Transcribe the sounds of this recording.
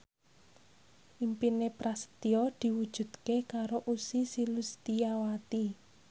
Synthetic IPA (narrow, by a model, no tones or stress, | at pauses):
ʔimpinepɾast̪iɔd̪̥i̤wud̥ʒ̥ṳd̪̥kekaɾoʔusisilust̪ijawat̪i